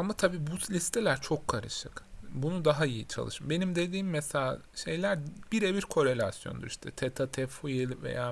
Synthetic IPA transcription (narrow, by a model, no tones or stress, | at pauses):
amat̪ʰabiːbut̪lʲist̪ʰe̞lʲæɾt͡ʃʰo̞kʰːaɾɯʃɯkbunud̪aɦaijit͡ʃʰa̰lˠɯʃɯmbe̞nimd̪e̞d̪iːmːeselʲaːʃe̞jlʲæɾbiɾebiɾkʰo̞ɾe̞lʲasjond̪uɾiʃt̪ʰɛt̪ʰet̪ʰat̪ʰɛfujelʲvḛjaː